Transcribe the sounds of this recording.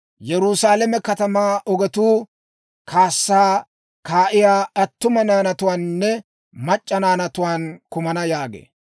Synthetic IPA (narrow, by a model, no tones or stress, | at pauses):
jɛɾʊsaːlɐmɛkɐt̪ɐmaːʔɔɡɛt̪uː | kʰaːsːaː | kaːʔɪjaːɐt̪ːʊmɐnaːnɐt̪ʊwaːnːɛ | mɐt͡ʃʼːɐnaːnɐt̪ʊwaːnkʊmɐnɐjaːɡḛː